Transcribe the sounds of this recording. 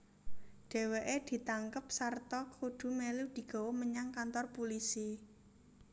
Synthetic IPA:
ɖ̥e̤weʔed̪̥i̤t̪aŋkəp̚sart̪ɔkʰuɖ̪̥ṳmelud̪̥i̤ɡ̥ɔ̤wɔməɲaŋkant̪ɔrpulisi

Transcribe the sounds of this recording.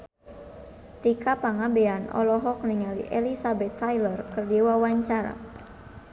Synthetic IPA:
t̪ikapaŋabɛanɔ̰lɔɦɔk̚niŋalḭʔɛlisabɛt̪ːajlɔrkɨrdiwawaɲt͡ʃaɾa̰

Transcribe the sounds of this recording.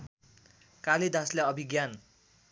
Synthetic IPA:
kaled̪asleʌbʱiɡjan

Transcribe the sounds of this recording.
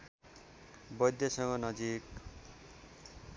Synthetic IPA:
bʌjd̪jʌsʌŋɡʌnʌd͡zik

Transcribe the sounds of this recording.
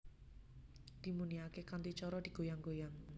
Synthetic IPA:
d̪̥i̤muniakekant̪it͡ʃɔɾɔd̪̥i̤ɡ̥o̤jaŋɡojaŋ

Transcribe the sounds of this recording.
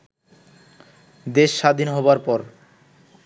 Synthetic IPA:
d̪eʃːad̪ʱinɦɔbaɾpɔɾ

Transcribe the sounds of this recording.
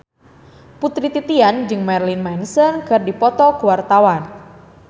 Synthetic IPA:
put̪ɾit̪it̪iand͡ʒɨŋmɛrlinmɛnsənkɨrdipɔt̪ɔkuwart̪awan

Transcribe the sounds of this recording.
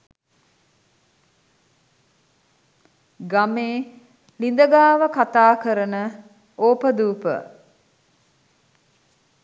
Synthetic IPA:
ɡameː | lind̪əɡaːʋəkat̪aːkəɾənə | oːpəd̪uːpə̰

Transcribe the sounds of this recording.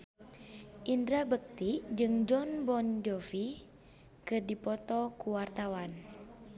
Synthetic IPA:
ʔindɾabək̚t̪iʔd͡ʒɨŋd͡ʒɔnbɔnd͡ʒɔfi | kɨrdipɔt̪ɔkuwart̪awan

